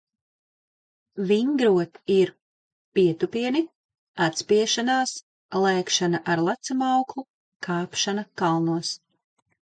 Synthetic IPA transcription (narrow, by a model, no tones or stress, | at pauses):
viŋɡɾuɔt̪iɾ | piɛt̪upiɛni | at̪spiɛʃanaːs | lˠɛːkʃanaʔaɾlˠat̪simawklˠu | kʰaːpʃanɐkalˠnuɔs